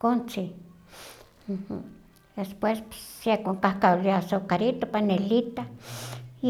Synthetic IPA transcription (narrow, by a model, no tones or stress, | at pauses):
kont͡si | m̩h̩ | d̪espwespsekoŋkahkawliasokaɾit̪opanelit̪a